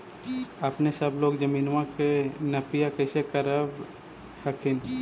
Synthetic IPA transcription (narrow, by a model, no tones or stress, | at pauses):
əpnesəbloːɡd͡ʒəmiːnʋãkenɐpɪjakəɪsekəɾəb | həkʰɪn